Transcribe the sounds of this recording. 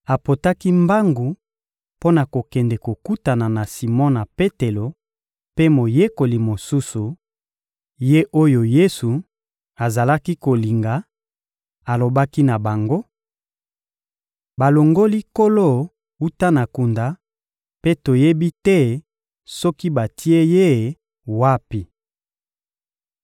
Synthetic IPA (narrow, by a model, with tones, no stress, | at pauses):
a˨po˨ta˦ki˦mba˦ŋɡu˨ | po˦na˨ko˨kɛ˨ndɛ˨ko˨ku˦ta˨na˨na˨si˨mɔ̃˦na˨pe˦te˨lo˨ | pe˦mo˨je˦ko˨li˨mo˨su˦su˨ | je˦ʔo˦jo˨je˦su˨ | a˨za˨la˦ki˦ko˨li˨ŋɡa˨ | a˨lo˨ba˦ki˦na˨ba˨ŋɡo˦ | ba˨lo˨ŋɡo˦li˦ko˦lo˦˨ | u˦ta˦na˨ku˨nda˨ | pe˦to˨je˦bi˦tɛ˦ | sɔ˦ki˦ba˨tʰi˦e˦je˦ | wa˦pi˨